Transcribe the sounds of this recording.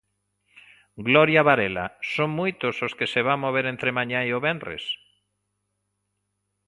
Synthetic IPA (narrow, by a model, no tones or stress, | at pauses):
ɡlɔɾjaβaɾela̰soŋmojt̪ʊsoskeseβaŋmoβ̞eɾẽnt̪ɾemãɲãeoβenrrḛs